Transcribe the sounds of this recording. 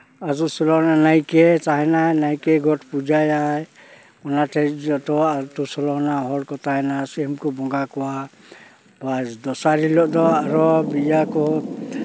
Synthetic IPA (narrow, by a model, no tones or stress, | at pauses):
azusɔlɔnanajkɛt͡ʃaɦɛnanajkɛɡɔʈpud͡ʒajaj | ɔnatʰɛɔt̪ɔat̪usɔlɔnaɦɔɽkɔt̪aɦɛnasɛmkɔbɔŋɡakɔwa | bad̪ɔsaɾilɔʔd̪ɔaɾɔbijakɔ